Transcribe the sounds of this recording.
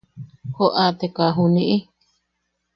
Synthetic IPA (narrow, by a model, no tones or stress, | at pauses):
hoʔat̪ekaɦunĩʔi